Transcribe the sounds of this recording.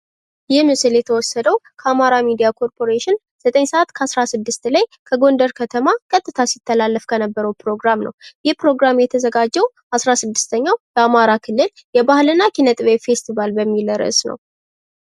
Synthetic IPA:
jɪhmɨsɨljɛt̪ʰəwɔsːəd̪əwkʰəamaɾamid̪ijakʰo̞ɾpʰo̞ɾeʃɪn | z̥ət̪ʼəɲsəʔat̪kʰəasɾasɨd̪ːɨst̪lajkʰəɡo̞nd̪əɾkʰət̪ʰəmakʼət̪ʼːɨt̪ʰasit̪ʰːəlalːəfkʰənəbːəɾəwpɾo̞ɡɾamnə̰wjɪhpɾo̞ɡɾamjɛt̪ʰəzəɡad͡ʒːɛw | ʔasɾasɨd̪ːɨ̥st̪ʰəɲːawbəamaɾakʰɨlːɨl | jɛbahlɨnːakinət̪ʼɨβejfe̞st̪ʰivalbəmːiləɾɨ̰ʔsnə̰w

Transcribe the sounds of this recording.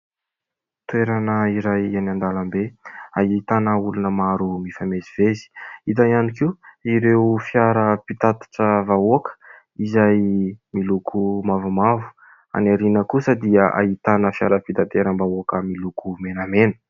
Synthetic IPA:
t̪ueɾanəiɾajanand̪alambeaɦit̪anəulunəmaɾumifameziv̥ezi̥it̪ajanikiiɾewfjaɾəpit̪at̪ḁʈ͡ʂəvaoakə̥ | izajmilukʰumavumavu̥ | a̰naɾinəkusəd̪iəʔa̰ɦit̪anəfjaɾəpit̪at̪eɾəmbaokəmilukumenamenə̥

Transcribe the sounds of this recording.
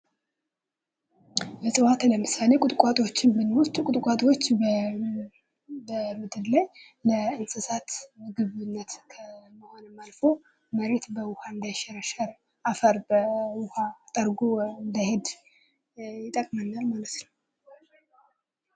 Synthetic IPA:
jəsʼɨwat̪ləmɨsale̞kʼʊt̪ʼkʷʼat̪ʼo̞t͡ʃːɪnbɨnwʊst̪ʼkʼʊt̪ʼkʷʼat̪ʼo̞t͡ʃː | bəmɨd̪ɨllaj | ləɨnsʼɨsat̪mɨɡɨβɨnːət̪kʰəməho̞nəmːalfo̞ | məɾe̞t̪bəwʊhaɨnd̪ajʃɛɾəʃəɾ | ʔafəɾbəwʊhat̪ʼəɾɡoɨnd̪əhed̪ | jɪt̪ʼəkʼmənːalmalət̪nəw

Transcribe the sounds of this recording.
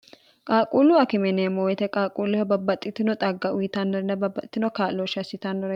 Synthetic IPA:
kʼaːkʼuːluɐkɪmɛneːmowɛt̪ɛkʼaːkʼulːʊhɐbɐbːɐt̪ʼːɪt̪ːɪnɔt̪ʼɐɡːɐʔʊjɪt̪anːɔɾɛnɐbɐbɐt̪ːɪnɔkaːloʃɐsɪt̪anːɔɾɛ

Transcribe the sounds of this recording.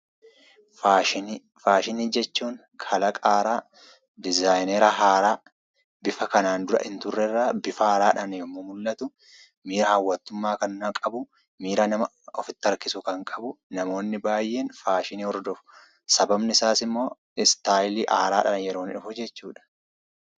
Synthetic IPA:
faːʃɪn | faːʃɪniːd͡ʒɛt͡ʃːuːŋ | kʰɐlɐkʼaːɾaː | d̪ɪzaːjneɾɐɦaːɾaː | bɪfɐkɐnaːnd̪ʊɾɐ̰ʔɪnt̪ʊrːɛɪrːaːbɪfɐaːɾaːᶑɐnjɔmːoːmʊlːɐt̪ʊ | miːɾɐhɐwːɐt̪ːʊmːaːkɐnnɐkʼɐbʊ | miːɾɐnɐmɐ | ɔfɪt̪ːɐɾkɪsʊkɐŋkʼɐbʊnɐmo̞ːnːɪbaːjʔe̞ːnfaːʃɪniːhɔɾd̪ɔfʊ̥ | sɐbɐbnɪsaːsɪmːo̞ː | ɪst̪aːjliːʔaːɾaːᶑɐnjɛɾo̞ːnɪᶑʊfʊd͡ʒɛt͡ʃːuːᶑɐ̥

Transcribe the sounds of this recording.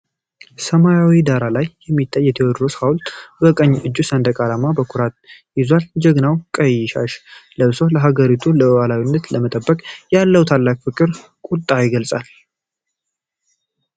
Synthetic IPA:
səmajawid̪aɾalajːɛmːit̪ʰʼːajːɛt̪ʰewɔd̪ɾoshawlt̪ʼbəkʼəɲːʔɨd͡ʒːusənd̪əkʼalamabəkʰuɾat̪jɪzwald͡ʒəɡnawkʼəjːɪʃa̰ʃləβso̞ləɦaɡəɾit̪ʰuləəwalawinːət̪ləmət̪ʼəbːəkʼjalːəwt̪ʰalːakfɨkʼɨɾ | kʷʼut̪ʼːajɪɡəlsʼal

